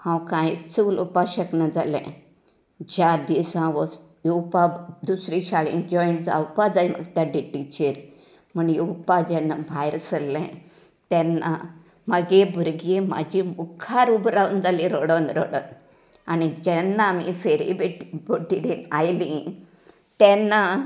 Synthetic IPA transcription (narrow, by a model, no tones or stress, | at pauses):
hãwkãjt͡sulupaɕəknad͡zalɛ̰̃ | d͡ʑad̪isãʋɔ | jupad̪usɾiɕaɭḭnd͡ʒɔjɳd͡za̰wpad͡zaimə̰ɡt̪jaɖiʈit͡ɕeɾ | məɳjiwpad͡ʑɛnːabʱajɾsəlːɛ̃ | t̪ɛnːa̰ | məɡebʱuɾɡema̰d͡ʑʱimukʰaɾubɾaʋnd͡zalĩɾoɽənɾo̰ɽə̰n | anid͡ʑɛnːaːmḭfeɾḭbeʈibʱoʈiɽinajlĩ | t̪ɛnːa